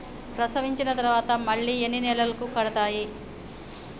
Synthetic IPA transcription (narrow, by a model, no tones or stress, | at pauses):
pɾɐsɐʋiɲt͡ʃinɐt̪ɐɾɐʋaːt̪ɐmɐɭːiːenːinɛːlɐlɐkukɐɽɐt̪aːji